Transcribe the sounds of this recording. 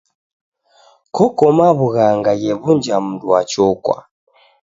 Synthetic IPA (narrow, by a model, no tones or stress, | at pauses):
kʰɔkɔmaβuɣaŋɡajɛβund͡ʒam̩dwat͡ʃɔkwa̰